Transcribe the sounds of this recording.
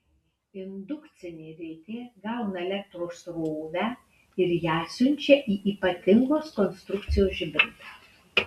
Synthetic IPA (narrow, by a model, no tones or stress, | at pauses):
ɪnd̪ʊkt̪sʲɪnʲeːɾʲɛɪt̪ʲeːɡɑˑʊnɐɛlʲɛk̚t̪ɾoːsɾoːʋʲæː | ɪɾjæːsʲʊnʲt͡ʃʲɛʔiːʔiːpɐt̪ʲɪŋɡoːskɔnst̪ɾʊkt̪sʲɪjoːsʒʲɪbʲɾʲɪt̪ɑ